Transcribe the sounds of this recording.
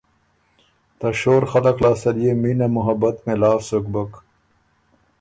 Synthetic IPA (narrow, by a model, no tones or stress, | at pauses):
t̪ɐɕoːɾxɐlɐklaːsɐlijemiːnɐmuɦɐbɐt̪mẽlaːfsukbək